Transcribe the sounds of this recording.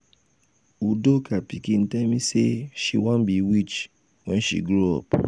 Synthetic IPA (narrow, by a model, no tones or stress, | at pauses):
udokapikĩn̩tɛmĩseʃiwãnbiwit͡ʃ | wɛ̃nʃḭɡɾoɔ̰p